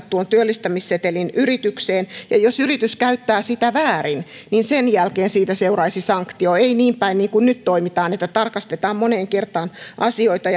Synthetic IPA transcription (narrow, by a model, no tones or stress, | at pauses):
t̪t̪uont̪yølːist̪æmisset̪elinyrit̪ykseːnjɑjosyrit̪yskæyt̪ːæːsit̪æʋæːrinninsenjælkeːnsiːt̪æseurɑisisɑŋkt̪ioeiniːmpæinniːŋkunnyt̪t̪oimit̪ɑːnet̪ːæt̪ɑrkɑst̪et̪ɑːmmoneːŋkert̪ɑːnʔɑsioit̪ɑj